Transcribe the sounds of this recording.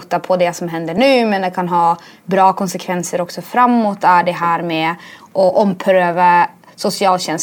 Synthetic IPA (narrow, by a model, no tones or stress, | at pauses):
t̪ːapʰɔd̪ɛsɔmɦɛnd̪əɳʉ̟ːmɛnd̪ɛkʰanɦɑː | bɾɑːkʰɔnsɛkʰvɛnsəɾɔksɔfɾamːot̪ːæɖɛɦæːɾmeːʔɔʔɔmpʰɾøːva | sʊsɪɑːlɕɛns